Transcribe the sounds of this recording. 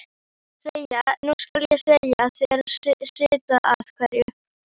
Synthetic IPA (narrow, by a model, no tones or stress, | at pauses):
sejanuskaljɛsejaθɛɛɾssɪːt̪aʔaðkʰvɛɾjʏ